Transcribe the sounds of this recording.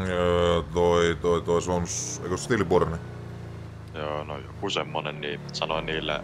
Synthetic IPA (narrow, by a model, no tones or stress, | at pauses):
t̪oit̪oit̪oisomusḛkost̪iliporni | joːnojokusemːonenniːsɑnoiniːlːḛ